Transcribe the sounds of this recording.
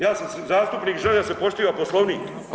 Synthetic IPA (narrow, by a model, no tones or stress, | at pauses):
jaːsamszaːst̪upniːkʒed̪asepo̞ʃt̪iːʋaposlˠoʋniːk